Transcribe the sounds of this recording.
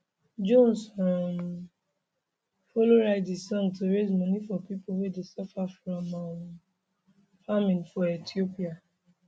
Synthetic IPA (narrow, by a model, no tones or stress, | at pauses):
d͡ʒõnsɔn | foloɾaɪdisɔ̃ŋɡtoɾezmɔ̃nifɔpipowedesɔfafɾɔ̃ma | famĩnfɔetiopia